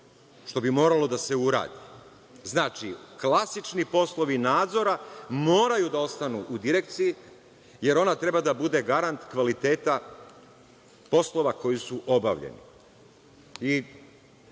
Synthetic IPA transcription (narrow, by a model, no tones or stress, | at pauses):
ʃt̪o̞bimo̞ːɾalo̞d̪ase̞uɾa̰ːd̪i | znaːt͡ʃiklasit͡ʃnipo̞slˠo̞ʋinaːd̪zo̞ɾamo̞ːɾajud̪ao̞st̪anuʔud̪iɾek̚t̪siji | je̞ɾo̞nat̪ɾe̞bad̪abud̪e̞ɡaɾant̪kʋalit̪e̞ːt̪a | po̞slˠo̞ʋako̞jisuʔo̞ba̰ʋʎḛnḭ | i